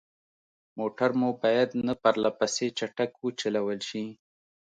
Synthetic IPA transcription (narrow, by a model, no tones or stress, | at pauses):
moʈaɾmubɑjad̪napaɾlapaset͡ʃaʈakwət͡ʃalawəlʃi